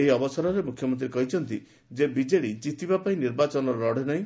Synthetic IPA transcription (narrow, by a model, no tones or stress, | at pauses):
eɦiɔbɔsaɾɔɾemukʰjɔmɔnt̪ɾiɾekɔɦit͡ʃʰɔnt̪i | d͡ʒebid͡ʒeɽid͡ʒit̪ibapaĩniɾbat͡ʃɔnɔɾɾɔɽenaɦĩ